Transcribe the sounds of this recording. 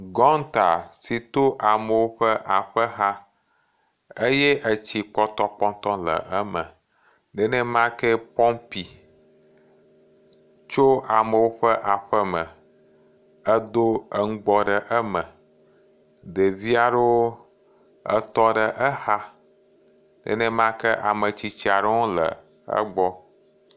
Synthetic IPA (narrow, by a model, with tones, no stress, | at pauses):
ɡɔ˦ŋ˦t̪a˨si˨t̪o˦ʔa˨mə˨wo˦ɸə˦ʔa˨ɸə˦ɦa˦ | e˦je˦ʔə˨t͡ɕi˨k͡pɔ˦t̪ɔ˦k͡pɔ̃˦ŋt̪ɔ˦lə̰˨ʔə˦mə̰̃˨ | ɖɛ˨nɛ̃˦mã˦kɛ˦pɔ̃˦mpi˨ | t͡ʃo˦a˨mə˨wo˦ɸə˦ʔa˨ɸə˦mə̃˨ | ə˦d̪o˦ə˦ŋũ˦ɡ͡bɔ˦ɖə˨ʔə˦mə˨ | d̪e˨vi˦a˨ɖə˦wo˦ | ə˦t̪ɔ˦ɖə˨ʔə˦ha˦ | nɛ̰˨nɛ̃˦m˦ã˦kɛ˦ʔa˨mə˨t͡ɕi˨t͡ɕi˦a˨ɖe˦wo˦lə̰˨ | ə̰˦ɡ͡bɔ˦